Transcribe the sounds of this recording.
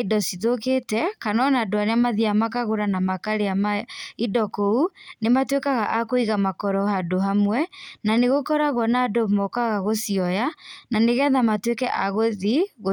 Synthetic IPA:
idɔsiðoketɛkanɔnaːdoaɾeamaðiamakaɣoɾanamakaɾeamaidɔkounematwekaɣaʔakoiɣamakɔɾɔɦadoɦamwɛnaneɣokɔɾaɣwɔnadomɔkaɣaɣosiɔjananeɣɛðamatwekɛʔaɣoðiɣo

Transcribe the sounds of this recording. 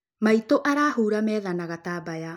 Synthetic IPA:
maitoʔaɾaːɦuːɾamɛːðanaɣataːbaja

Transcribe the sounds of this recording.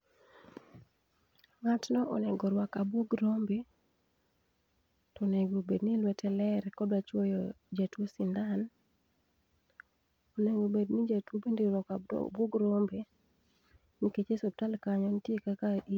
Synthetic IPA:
ŋatnɔʔɔ̰nɛɡɔɾwakabwoɡɾombe | tɔneɡobednilwɛtʰɛlɛɾkɔdat͡ʃwojɔ̰ | d͡ʒatwosindan | oneɡobednid͡ʒatwobendeɾɔka̰bwoɡɾombe | niket͡ʃesob̚talkaɲɔnitjekakaʔi

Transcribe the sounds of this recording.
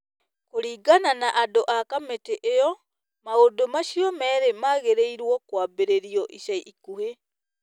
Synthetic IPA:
koɾiːɡananaʔadoʔakameteʔejɔ | maodomaʃiɔmɛːɾemaɣeɾeiɾwɔkwaːbeɾeɾiɔʔiʃaiʔikuhe

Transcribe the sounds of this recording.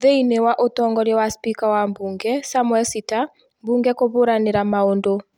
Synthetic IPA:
ðeinewaʔotɔŋɡɔɾɛwaspikawambuŋɡɛsamwɛlsita | mbuŋɡɛkoβoɾaneɾamaondo

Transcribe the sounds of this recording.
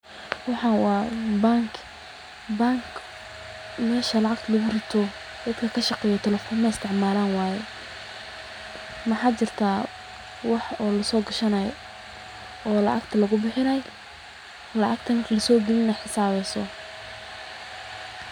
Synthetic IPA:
wɑħɑnwɑːbaːŋkʰ | baːŋkʰ | mɛːʃɐlɑʕɑɡ̚t̪ʰlɐɣʊrɪt̪ʰɔ | d̪̥ɐd̪kʰɐkʰɐʃɑqɛːjɔt̪ʰɛlɛfɔːnmɐɪst̪ʰɪʕmaːlaːnwaːjɛ | mɐħaːd̪̚t͡ʃɪrt̪ʰaː | wɑħɔːlɐsɔːɡɐʃɐnɐj | ɔːlɐʕɑ̰kt̪ʰɐlɐɣʊbɪħɪnɐj | lɐʕɑk̚t̪ʰɐnlɐsɔːɡɛlɪnɐjħɪsaːβɛjsɔ

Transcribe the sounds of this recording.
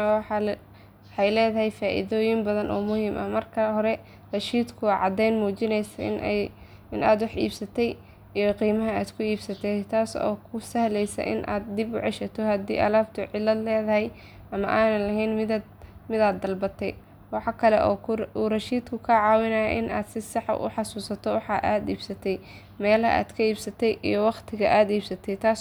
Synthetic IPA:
wɑħɑ | ħɑjlɛːðɐɦɛjfaːʔḭðɔːjɪmbɐðɐnʔɔːmʊhiːmʔɐhmɐrkʰɐhɔɾɛ | rɐʃiːd̪kʰʊʕɑd̪ɛjnmuːt͡ʃɪnɛjsɐ̰n | ɪnaːd̪wɑħḭːbsɐt̪ʰɛj | iːjqiːmɐɦɐaːd̪kʰʊiːbsɐt̪ʰɛt̪ʰaːsɔ̰ːkʰʊsɐhlɛjsɐ̰ʔɪ̰nʔa̰ːd̪̚d̪ɪbʊ̰ʕɛʃɐt̪ʰɔhɐd̪ḭːʔɐ̰laːb̚t̪ʰʊʕɪlːɐd̪lɛːðɐɦɛj | ʔɐmɐ̰ʔaːnɐlɐɦɛjnmɪ | mɪd̪aːd̪ːɐlbɐt̪ʰɛj | wɑħɑkʰɐlɛ̰ʔɔ̰ːurɐʃiːd̪kʰʊkʰɐʕɑːwɪnɐjɐʔɪnʔa̰ːd̪sɪsɑħʔʊ̰ħɑsuːsɐt̪ʰɔwɑħɑ̰ʔaːd̪iːbsɐt̪ʰɛj | mɛːlɐ̰ʔa̰ːd̪̥kʰɐiːbsɐt̪ʰɛjʔḭjɞwɑqt̪ʰɪɣɐʔaːd̪iːbsɐt̪ʰɛjt̪ʰaːs

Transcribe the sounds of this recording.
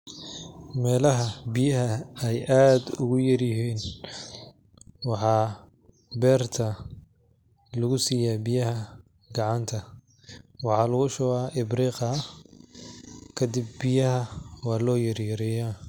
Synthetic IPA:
mɛːlɐɦɐbɪjɐɦɐɛjʔaːd̪ʊ̰ɣʊjɐrjɪɦiːn | wɑħɑː | bɛːrt̪ʰɐ | lɐɣʊsiːjaːbɪjɐhɐ | ɡɑʕɑnt̪ʰɐ | wɑħɑːlɐɣʊʃɔːɣaːʔɪbriːqɑ | kʰɐd̪ɪb̚ːɪjɐhɐwɑːlɔːjɐrjɐɾɪja

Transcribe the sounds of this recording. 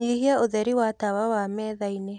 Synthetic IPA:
ihiaoðɛɾiwatawawamɛðaine

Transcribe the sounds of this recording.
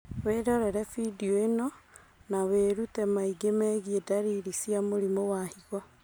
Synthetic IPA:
weːɾɔɾɛɾɛfidioenɔ | naweɾutɛmaiɡemɛɣiedaɾiɾisiamoɾimowahiɣɔ

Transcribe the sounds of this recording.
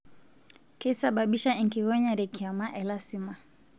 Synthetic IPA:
kisaɓaɓiʃaiŋkiɣɔɲaɾɛkiamaʔɛlasima

